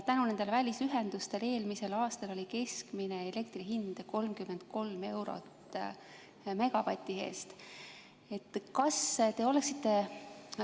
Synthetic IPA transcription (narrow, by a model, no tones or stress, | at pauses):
t̪ænune̞nd̪evælʲisyɦe̞nd̪̥ust̪e̞le̞ːlmise̞lɑːst̪ɑlo̞lʲike̞skmine̞ele̞k̚t̪riɦind̪̥ko̞lmkymːe̞nd̪̥̚ko̞lme̞wɾo̞̰t̪ː | me̞ɡ̥ɑpɑt̪ʲːˑiɦe̞̰ːst̪ | e̞t̪ːˑkɑst̪e̞o̞le̞ksit̪ːe̞